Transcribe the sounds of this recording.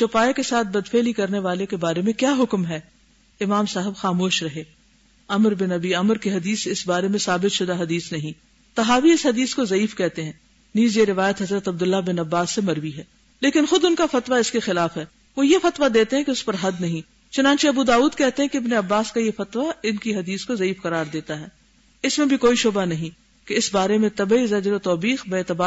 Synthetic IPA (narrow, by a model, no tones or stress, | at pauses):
t͡ʃʊpaːekesaːt̪̚ʰbɐd̪feːlikɐɾneʋaːlekebaːɾemẽkjaːɦʊkmɦɛː | ɪmaːmsaːɦəbxaːmoːʃɾɐɦeː | ɐməɾbɪnɐbiɐməɾkeɦɐd̪iːsɪsbaːɾemẽsaːbɪt̪ʃʊd̪aɦɐd̪iːsnɐɦĩ | t̪ɐɦaːʋiɪsɦɐd̪iːskozɐiːfkɛɦt̪eɦɛ̃ː | niːzjeɾɪʋaːjət̪ɦɐzɾət̪ɐb̚d̪ʊlːabɪnɐbːaːsːemɐɾʋiɦɛː | leːkɪnxʊd̪ʊnkafɐt̪ʋaɪskexɪlaːfɦɛː | ʋojefɐt̪ʋad̪eːt̪eɦɛ̃keʊspɐɾɦɐd̪nɐɦĩ | t͡ʃʊnãːnt͡ʃeɐbud̪aːuːd̪kɛɦt̪eɦɛ̃keɪbneɐbːaːskajefɐt̪ʋaɪnkiɦɐd̪iːskozɐiːfqɐɾaːɾd̪eːt̪aɦɛː | ɪsmẽbʱikoːiʃʊbanɐɦĩ | keɪsbaːɾemẽt̪ɐbizɐd͡ʒɾot̪ɔːbiːxbeːt̪ɐbaː